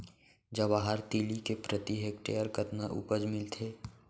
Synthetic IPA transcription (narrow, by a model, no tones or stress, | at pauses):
d͡ʒɐʋaːɦaɾt̪iːlikepɾət̪iɦekʈḛːəɾkət̪naʔṵpəd͡ʒmɪlt̪ʰeː